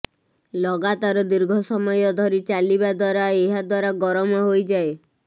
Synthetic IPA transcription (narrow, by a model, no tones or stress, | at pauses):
lɔɡat̪aɾɔd̪iɾɡʱɔsɔmɔjɔd̪ʱɔɾit͡ʃalibad̪waɾaeɦad̪waɾaɡɔɾɔmɔɦojd͡ʒae